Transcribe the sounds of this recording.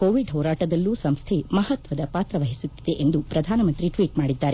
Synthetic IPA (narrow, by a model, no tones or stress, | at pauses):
koːʋiɖɦɔːɾaːʈɐd̪ɐlːusɐmst̪ʰemɐɦɐt̪ʋɐd̪ɐpaːt̪ɾɐʋɐɦisut̪ːid̪e̞ʔend̪upɾɐd̪ʱaːnɐmɐnt̪ɾiʈʋiːʈmaːɽid̪ːaːɾe